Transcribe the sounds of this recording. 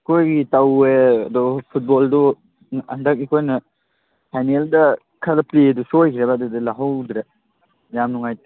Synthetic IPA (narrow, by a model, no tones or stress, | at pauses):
kʰojɡitaweɐdɔpʰut̚boldɔ | ɐndɐk̚ikʰojnɐ | pʰajneldɐ | kʰadɐpledusojkʰiɾebadudilaɦawdɾe | jamnuŋajt